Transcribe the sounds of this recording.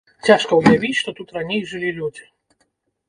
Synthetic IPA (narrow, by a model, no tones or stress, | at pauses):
t͡sʲaʂkɐujavʲit͡sʲʂt̪ɔt̪ut̪ranʲejʐɨlʲilʲud͡zʲi